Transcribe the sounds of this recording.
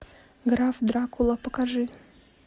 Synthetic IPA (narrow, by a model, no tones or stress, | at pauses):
ɡɾafd̪ɾakulˠɐpəkaʐɨ